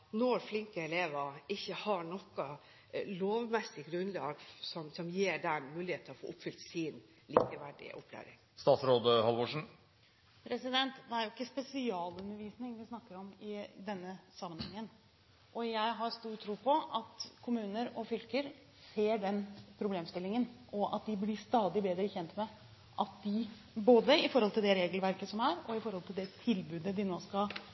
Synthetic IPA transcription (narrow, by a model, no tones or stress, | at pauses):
nɔɾflɪŋkəɛleːʋɑɪçːəhɑɳɔkːɑ | loːʋmɛsːɪɡɾʉnlɑ̰ːɡsɔmsɔmjeːɖænmʉːlɪheːt̪ʰːəɔfo̰ːʔʊpːfʏlt̪sɪn | lḭːkəʋæɖɪ̰ʔʊ̰pʰːlæ̰ːɾɪŋ | st̪ɑːt̪sɾoːd̪əhɑlʋɔʂɳ̩ | pʰɾɛsɪd̪ɛnt̪d̪ɛæɾjʊɪkːəspɛsɪɑːlʉnəʋiːsnɪŋʋɪsnɑkːəɾɔmɪd̪ɛnːəsɑmːənhɛŋːən | ʔɔjæɪɦɑɾst̪uːʈ̪ʰːɾuːpʰɔɑt̪kʰʊmʉːnəɾɔfʏlkəɾ | seːɖɛnpʰɾʊbleːmst̪ɪlːɪŋənɔʔɑt̪̚d̪ɪblɪst̪ɑːd̪ɪbeːd̪ɾəçɛnt̪mɛ | ʔɑt̪̚d̪ɪ | boːd̪əɪfɔɾhɔlt̪ɪld̪ɛɾeːɡəlʋæɾkəsɔmæɾɔɪfɔɾhɔlt̪ʰɪld̪ɛt̪ʰɪlbʉːd̪əd̪ɪnoːskɑ